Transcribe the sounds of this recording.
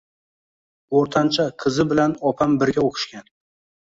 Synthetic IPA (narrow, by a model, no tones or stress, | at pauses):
oɾt̪ʰant͡ʃʰaqʰɨzɪbɪlanɒpʰambɪɾɡʲaokʰɪ̥ʃkʲan